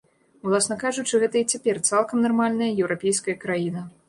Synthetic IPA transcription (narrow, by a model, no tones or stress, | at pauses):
wlˠasnɐkaʐut͡ʂɨɣɛt̪ɐit͡sʲapʲɛrt̪salˠkɐmnarmalʲnɐjɐjɛwɾapʲejskɐjɐkɾajinɐ